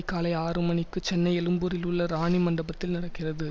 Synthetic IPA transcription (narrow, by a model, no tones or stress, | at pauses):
ɪkːaːlɐɪaːɾɯmɐnɪkːɯt͡ʃɛnːɐɪɛlɯmbɯɾɪlɯɭːɐɾaːɳimɐɳɖɐbɐt̪ːɪlnɪɽɐkːɪrɐðɯ